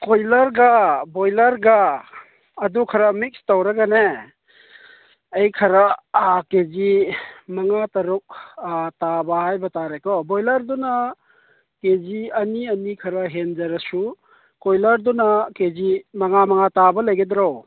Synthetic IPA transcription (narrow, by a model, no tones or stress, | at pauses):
kojlɐɾɡɐbojlɐɾɡɐː | dukʰɐɾɐmik̚stawɾɐɡane | ɐjkʰɐɾɐkezimɐŋatɐɾuk̚tabɐhajbɐtaɾekɔbojlɐɾdunɐ | keziɐniɐnikʰɐɾɐɦend͡ʒɐɾɐsu | kojlɐɾdunɐkezimɐŋamɐŋatabɐlɐjɡedɾaw